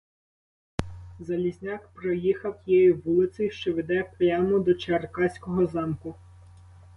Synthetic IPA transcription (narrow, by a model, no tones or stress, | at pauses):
zɐlʲizʲnʲɑkpɾɔjixɐwjɛjiːulˠɪsʲɪʃt͡ʃɔʋʲid̪ɛpjɑmɔd̪ɔt͡ʃerkɑsʲkɔɦɔzɑmkʊ